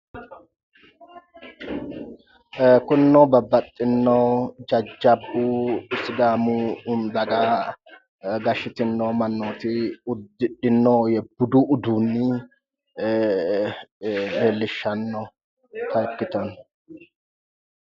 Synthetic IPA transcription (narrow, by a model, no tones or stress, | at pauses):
kʊnːɔbɐbːɐt̪ʼːɪnːɔwd͡ʒɐd͡ʒːɐbusɪd̪aːmund̪ɐɡaː | ɡɐʃɪt̪ɪnːɔmɐnːoːt̪ɪʊd̪ɪᶑɪnːɔjɛbʊd̪uʔʊd̪uːnːɪ | heːlːɪʃːɐnːɔ | t̪ɐkːɪt̪ɔn